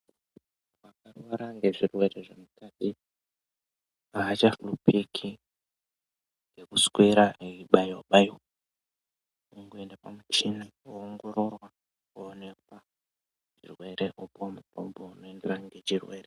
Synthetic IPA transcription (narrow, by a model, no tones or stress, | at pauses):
wakarwaɾaŋɡe̞ʐirwe̞ɾeʐemukati | aɦːt͡ʃaflupikʰi | ŋɡe̞kuskwiɾaeiɓajoɓaj | uŋɡuendapamut͡ʃinioːŋɡo̞ɾo̞rwa | kuone̞k̚wa | t͡ʃḭrwe̞ɾeʔopmupombounoenderaŋɡe̞t͡ʃirwe̞ːɾe